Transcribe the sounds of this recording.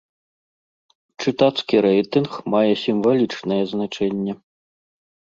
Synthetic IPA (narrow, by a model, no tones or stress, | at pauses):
t͡ʂɨt̪at̪skʲiɾɛjt̪ɨnxmajɛsʲimvɐlʲit͡ʂnɐjɛznat͡ʂɛnʲːɛ